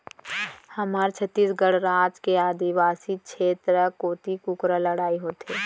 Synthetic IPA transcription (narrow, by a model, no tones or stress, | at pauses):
hɐmaːɾt͡ʃʰət̪ːiːsɡəɽɾaːd͡ʒkeaːd̪iʋaːsikʃʰeːt̪ɾəkoːt̪ikʊkɾələɽaːiɦoːt̪eː